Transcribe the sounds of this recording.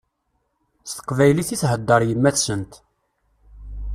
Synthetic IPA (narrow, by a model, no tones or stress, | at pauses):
st̪ə̥qvæjliθiθɦəd̪ːəɾˤjəmːæθsənt̪